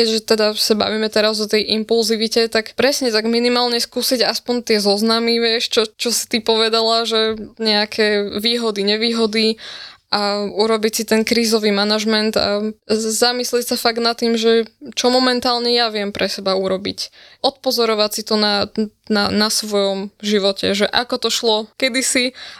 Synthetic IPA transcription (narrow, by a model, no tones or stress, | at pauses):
kɛɟʒɛt̪ɛd̪asaba̰ʋimɛt̪ɛɾazɔt̪ɛjʔimpulziʋicɛt̪akpɾɛsɲɛt̪aɡminimaːlɲɛskuːsiɟaspɔnt̪ɪɛzɔznamiʋɪɛʃt͡ʃɔt͡ʃɔsi̥t̪ipɔʋɛd̪alaʒɛɲɛakʰɛʋiːɦɔd̪iɲɛʋiːɦɔd̪iʔauɾɔbicsit̪ɛnkɾiːzɔʋimanaʒmɛnt̪a̰zamisliɛcsafaɡnat̪ːiːmʒɛt͡ʃɔmɔmɛnt̪aːlɲɛjaʋɪɛmpɾʔɛsɛbauɾɔbḭcʔɔt̪̚pɔzɔɾɔʋacsit̪ɔnananasʋɔjɔmʒiʋɔcɛ̰ʒɛʔakɔt̪ɔʃlɔkɛd̪isi